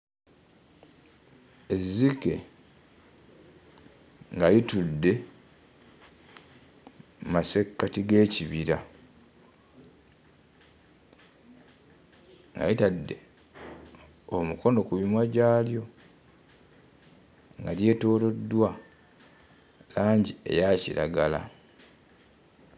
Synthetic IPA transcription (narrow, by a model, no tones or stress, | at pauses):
ezːike̞ | ŋɡajitudːe̞ | mase̞kːatiɡe̞ːciβiɾa | ŋɡa̰jitadːe̞̰ | omuko̞no̞kuβimwaɟaːljo̞ | ŋɡalje̞ːto̞ːlo̞dːwa | laːɲɟie̞̰jaciɾa̰ɡala̰